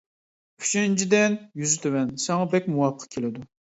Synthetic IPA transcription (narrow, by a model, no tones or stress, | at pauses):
y̥t͡ʃʰynt͡ʃʰid̪ɛnjyzɪt̪ʰøwɛnsɛŋɑbɛkʲmuwɑp̚qʰɑ̥kʲʰelɪd̪u